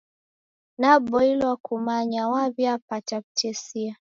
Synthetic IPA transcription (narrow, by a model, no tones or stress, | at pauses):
nabɔilwakʰumaɲawaβjapataktɛsia